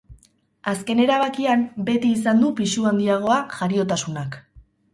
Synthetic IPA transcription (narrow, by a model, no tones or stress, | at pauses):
aske̞ne̞ɾaβakiambe̞t̪iːs̬and̪upiʃuand̪iaɣ̞o̞aʝaɾio̞t̪asunak